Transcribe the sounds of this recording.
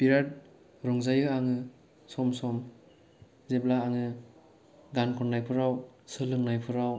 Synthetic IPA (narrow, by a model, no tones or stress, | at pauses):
piɾat̚ | ɾɔŋzajɯaŋɯ | sɔmsɔm | zeblaːŋɯ | ɡankʰɔnːajpʰɯɾawsɯlɯŋnajpʰɯɾaw